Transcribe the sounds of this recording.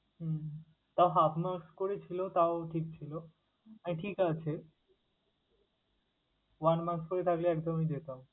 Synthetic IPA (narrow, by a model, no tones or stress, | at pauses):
ɦ̩ | t̪aoɦapʰmakskoɾet͡ɕʰilot̪aoʈʰik̚t͡ɕʰilo | amiʈʰikat͡ɕʰe | wanmaspoɾet̪ʰakleɛkd̪omed̪et̪am